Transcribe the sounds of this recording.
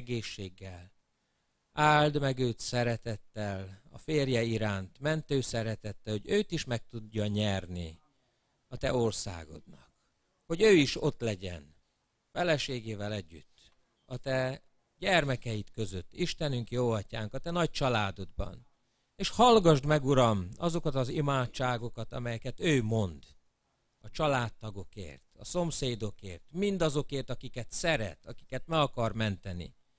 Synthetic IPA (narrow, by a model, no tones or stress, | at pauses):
ɡeːʃːeːɡːɛl | aːld̪mɛɡøːt̪sɛɾɛt̪ɛt̪ːɛlɒ̰feːrjɛiɾaːnt̪mɛnt̪øːsɛɾɛt̪ɛt̪ːɛho̞ɟøːt̪iʃmɛk̚t̪udːɒɲɛrni | ɒt̪ɛo̞rsa̰ːɡo̞̰d̪nɒk | ho̞ɟøːiʃo̞t̪lɛɟɛ̰n | fɛlɛʃeːɡeːvɛlɛɟːy̰t̪ː | ɒt̪ɛ | ɟɛrmɛkɛjit̪kø̞zøt̪ːiʃt̪ɛnyŋkjoːɒcaːŋkɒt̪ɛnɒc̚t͡ʃɒlaːd̪o̞d̪̚bɒ̰n | eːʃhɒlɡɒʒd̪mɛɡuɾɒmɒzo̞kɒt̪ɒzimaːtt͡ʃːaːɡo̞kɒt̪ɒ̰mɛjɛkɛt̪øːmo̞nd̪ | ɒt͡ʃɒlaːt̪ːɒɡo̞kḛːrt̪ɒ̰so̞mseːd̪o̞kḛːrt̪mind̪ɒzo̞keːrt̪ɒkikɛt̪sɛɾɛ̰t̪ɒki̥kɛt̪mɛɡɒkɒrmɛnt̪ɛnḭ